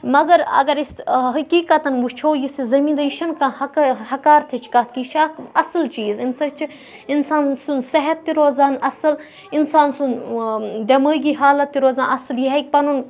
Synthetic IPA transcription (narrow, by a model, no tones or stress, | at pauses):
mɐɡɐɾɐ̰ɡɐɾisɦɐkiːkɐt̪ɐnʋut͡ʃʰoːjisizɐmiːnd̪ɐjiʃɐnkãːhɐkɐhɐkaːɾt̪ʰit͡ʃʰkɐt̪̚ʰkit͡ʃʰaːkɐslt͡ʃiːzinsɐkt͡ʃʰi | insaːnsunsɐɦɐt̪ːiɾoːzaːnɐsɐl | insaːnsund̪ʲɐməːɡiːɦaːlɐt̪ːiɾoːzãːnɐsɐljiɦɐk̚ʲpɐnun